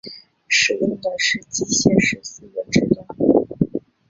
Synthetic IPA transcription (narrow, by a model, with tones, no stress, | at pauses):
ʂɻ̩˨˧˥jə˥˧t̪ə˧ʂɻ̩˥˩t͡ɕi˥˧ɕjɛ˥˩nʂɻ̩˧˥s̩˥˩d̪ə˧˩ʈ͡ʂɻ̩˥t̪ə˥˩ŋ